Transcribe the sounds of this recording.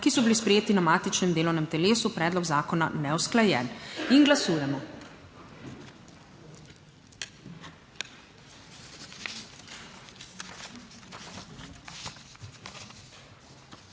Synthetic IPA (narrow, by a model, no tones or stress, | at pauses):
kisɔbilispɾɛjeːt̪inamaːt̪it͡ʃnɛmd̪eːlɔwnɛmt̪ɛleːsupɾɛːd̪lɔɡzaːkɔna̰nɛwsklajɛninɡlasuːjɛmɔ